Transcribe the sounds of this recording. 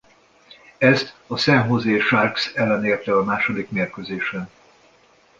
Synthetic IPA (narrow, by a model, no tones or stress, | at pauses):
ɛst̪ɒsɛnɦo̞zeːʃarksɛlːɛneːrt̪ɛɒmaːʃo̞d̪ikmeːrkøzeːʃɛn